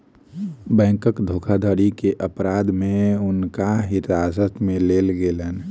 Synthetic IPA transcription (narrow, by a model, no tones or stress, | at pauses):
bɛ̃ːŋkəkd̪ʱokʰad̪ʱəɾikeʔəpɾaːd̪mẽʊnkaɦɪɾaːsət̪mẽleːlɡelən